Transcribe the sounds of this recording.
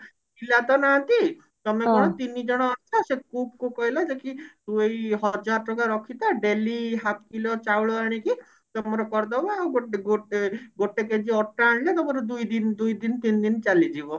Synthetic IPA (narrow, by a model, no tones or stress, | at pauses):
ilat̪ɔnaat̪i | t̪ɔmekɔɽ̃ɔt̪inid͡ʒɔɽ̃ɔat͡ʃʰasekup̚kukɔɦilad͡ʒekisuejɦɔd͡ʒaɾɔʈɔkaɾɔkʰit̪ɔɖeliɦap̚kilɔt͡ʃawɭɔaɽ̃iki | t̪ɔmɔɾɔkɔɾd̪ɔbaɡoɡoeɡoʈeked͡ʒiɔʈːaːɽ̃ilat̪ɔmɔɾed̪ujd̪ind̪ujd̪int̪ind̪int͡ʃalid͡ʒibɔ